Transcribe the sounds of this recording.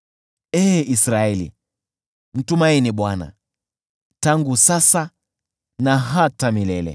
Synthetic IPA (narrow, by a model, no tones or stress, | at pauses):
ɛːisɾaɛlḭ | m̩tumainiɓwana̰ | taŋɡusasa | naɦatamilɛlɛ̰